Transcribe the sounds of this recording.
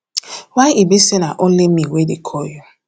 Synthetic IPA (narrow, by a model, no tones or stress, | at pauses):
wajʔibisɛnaʔõnlimiwedekʰɔju